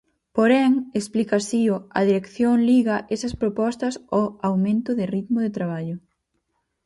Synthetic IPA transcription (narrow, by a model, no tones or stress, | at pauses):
poɾɛŋesplikasiʊɐ̰ðiɾekθjoŋliɣɐʔesɐspɾopɔst̪ɐsoawmẽnt̪ʊðɪrit̪mʊðet̪ɾaβ̞aʎʊ